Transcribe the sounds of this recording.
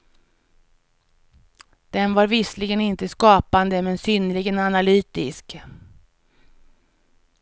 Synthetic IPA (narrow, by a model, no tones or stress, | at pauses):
d̪̥ɛnvaɾvɪslɪɡənɪnt̪əskɑːpand̪əmɛnsynəlɪɡənanalyːt̪ɪsk